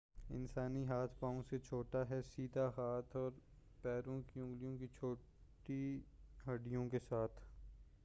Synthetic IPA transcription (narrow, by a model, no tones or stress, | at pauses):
ɪ̰nsaːniɦaːt̪ʰpãːõset͡ʃʰoːʈaɦɛsiːd̪ʱaɦaːt̪ʰɔːɾ | pɛːɾõkiʊ̃ŋɡlijõkit͡ʃʰoː | ʈiɦɐɖijõkesaːt̪ʰ